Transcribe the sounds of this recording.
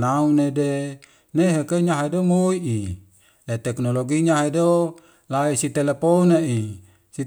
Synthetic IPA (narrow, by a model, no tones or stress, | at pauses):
naunede | neɦekeɲaɦadomoiʔi | let̪ɛknoloɡiɲaɦedo | laisit̪eleponaʔi | si